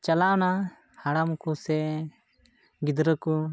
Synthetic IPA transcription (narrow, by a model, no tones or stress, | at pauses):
t͡ʃɐlawna | haɽamkusɛ | ɡid̪ɾəku